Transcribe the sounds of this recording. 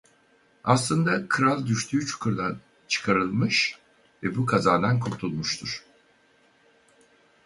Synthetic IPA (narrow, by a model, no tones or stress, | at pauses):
aslˠɯnd̪akʰɯɾalˠd̪yʃt̪ʰyːt͡ʃʰu̥kʰuɾd̪an | t͡ʃʰɯ̥kʰaɾɯlˠmɯʃ | vɛbukʰazaːd̪ankʰuɾt̪ʰulˠmuʃt̪ʰuɾ̥